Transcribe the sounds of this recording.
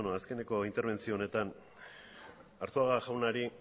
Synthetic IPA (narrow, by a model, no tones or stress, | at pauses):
noaske̞ne̞ko̞int̪eɾβe̞nt͡sio̞ːne̞t̪an | aɾt̪oaɣaʝawnaɾi